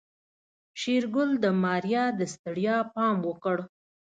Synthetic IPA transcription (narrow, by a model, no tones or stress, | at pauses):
ʃiɾɡʊld̪əmɑɾjɑd̪əst̪əɽjɑpɑmwəkəɽ